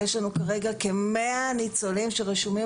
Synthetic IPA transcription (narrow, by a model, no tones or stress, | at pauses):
eʃlanukaʁe̞ɡakemeanit͡solimʃeʁeʃumi